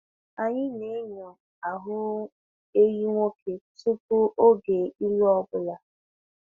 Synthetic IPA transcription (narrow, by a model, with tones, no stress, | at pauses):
a˨ɲɪ˦ne˨˦ɲɔ˨ | a˨ɦʊ˦ | e˦ji˦ŋʷo˦kʰe˨tu˦p̚u˦ʔo˦ɡe˨i˦lɔ˦bʊ˦la˨